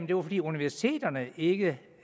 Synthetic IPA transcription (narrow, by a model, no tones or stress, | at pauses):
mn̩d̥e̝ʋafɒ̽dḭːuniʋæɐsi̥t͡sʰe̝̰ːd̥ɐnəe̝ɡ̥ə